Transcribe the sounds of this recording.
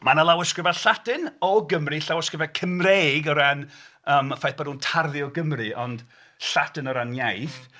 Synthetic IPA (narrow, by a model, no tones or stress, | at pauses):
manalˠawɪskrɪvaɬatɨnɔɡəmrɨɬawɪskrɪvakʰəmreːɡɔɾanəːmfajθb̥anuːntʰarðɨɔɡəmrɨɔnd | ɬatɨnɔɾanjajθ